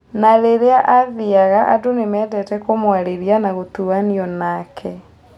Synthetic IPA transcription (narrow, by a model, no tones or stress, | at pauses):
naɾeɾeaʔaðiaɣaʔadonemɛːdɛtɛkomwaɾeɾianaɣot̪uaniɔnakʰɛ